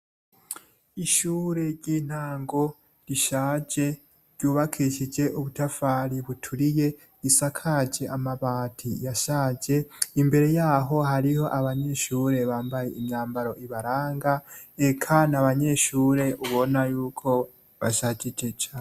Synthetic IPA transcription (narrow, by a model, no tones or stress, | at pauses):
iʃuːɾe̞ɾɟiːn̥aːŋɡo̞ | ɾiʃaːd͡ʒe̞ | ɾɟuːβakʰiʃid͡ʒe̞ʔuβutafaːɾiβutʰuɾije̞ | isakʰad͡ʒe̞ʔamaβaːtʰḭjaʃaːd͡ʒe̞imbe̞ɾe̞jaːɦo̞ɦaɾiho̞ʔaβaɲe̞ʃuːɾe̞βaːmbaje̞imɲaːmbaɾo̞ʔiβaɾaːŋɡaekʰanaβaɲe̞ʃuːɾe̞ʔuβo̞najuːkʰo̞ | βaʃaːd͡ʒid͡ʒet͡ʃaː